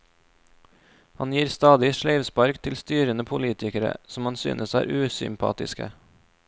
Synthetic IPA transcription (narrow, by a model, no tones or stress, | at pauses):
hɑnjiːɾst̪ɑːd̪ɪʃɭeɪʋspɑɾkt̪ʰɪlst̪yːɾənəpʰʊliːt̪ʰɪkəɾə̰sɔmɑnsy̰ːnʔəsæ̰ːɾʔʉːsʏ̰mpʰɑ̰ːt̪ɪ̰skə̰